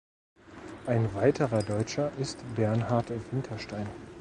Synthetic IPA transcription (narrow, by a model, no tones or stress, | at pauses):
ʔaɪnvaɪtʰəʁɐdɔʏt͡ʃɐʔɪstbɛɐnɦaɐtvɪntʰɐʃtaɪn